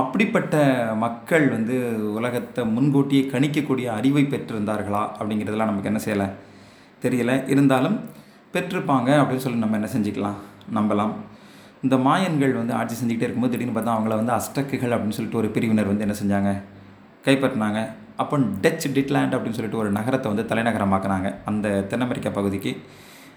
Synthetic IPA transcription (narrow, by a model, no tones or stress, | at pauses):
ɐpːɐɽɪpːɐʈːɐmɐkːɐɭʋɐnd̪ɯʊlɐɣɐt̪ːɐmʊnɡoːʈːɪjɐɪkɐɳɪkːɐkːuːɽɪjɐɐɾɪʋɐɪpɛʈrɪɾɯnd̪aːɾɣɐɭaːʔɐpːɐɽɪŋɡɪɾɐðɐlãːnɐmːɐkːɯɛnːɐsɛjːɐlɐ | t̪ɛɾɪjɐlɐʔɪɾɯnd̪aːlɯm | pɛʈrɪɾɯpːaːŋɡɐɐpːɐɽɪnːɯsɔlːinɐmːɐɛnːɐsɛɲd͡ʒɪkːɐlãːnɐmːbɛlaːm | ɪnd̪ɐmaːjɐnɡɐɭʋɐnd̪ɯaːʈ̚t͡ʃis̬ɛɲd͡ʒɪkɪʈːeːɪɾɯkːɯmoːðɯɪʈːɪnɯpːɐːt̪ãːɐʋɐŋɡɐɭɐʋɐnd̪ɯɐsʈːɐkːɯɣɐɭɐpːɐɽɪnːɯsɔlːɪʈːɯɔɾɯpɪɾɪʋɪnɐɾʋɐnd̪ɯɛnːɐsɛɲd͡ʒaːŋɡɐ | kɐɪpːɐʈːɐnaːŋɡɐ | ʔɐpːɐmɖɛt͡ʃːɖɪʈlaːɳɖɐpːɐɽɪnːɯsɔlːɪʈːɯɔɾɯnɐɣɐɾɐt̪ːɐʋɐnd̪ɯt̪ɐlɐɪnɐɣɐɾɐmaːkɯnaːŋɡɐɐnd̪ɐt̪ɛnːɐmɛɾɪkːapɐɣɯðɪkːɯ